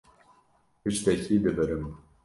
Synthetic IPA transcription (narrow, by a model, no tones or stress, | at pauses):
pɨʃt̪ɛciːd̪ɨbɨɾɨm